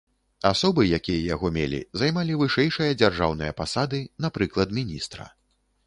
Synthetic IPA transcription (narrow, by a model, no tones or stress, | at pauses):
asɔbɨjakʲijɐjaɣɔmʲelʲḭzajmalʲivɨʂɛjʂɨjɐd͡zʲarʐawnɨjɐpasad̪ɨnapɾɨklˠɐt̪mʲinʲist̪ɾɐ̰